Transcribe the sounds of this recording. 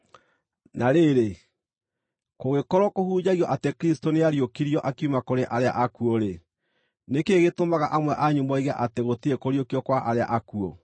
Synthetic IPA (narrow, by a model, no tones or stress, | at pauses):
naɾeɾe | koɣekɔɾɔkohuːd͡ʑaɣiɔʔatekɾistoneaɾiokiɾijɔʔakiumakoɾeʔaɾea̰ʔakuoɾe | nekeɣetomaɣaʔamwɛʔaɲomɔiɣaʔateɣotiekoɾiokiɔkwaʔaɾea̰ʔakuo